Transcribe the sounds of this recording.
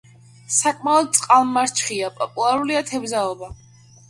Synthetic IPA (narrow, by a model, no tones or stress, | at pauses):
sakʼmaɔd̪̚t̪sʼqʼalˠmːaɾt͡ʃʰχiapʼɔpʼulˠaɾuliat̪ʰɛbzaɔba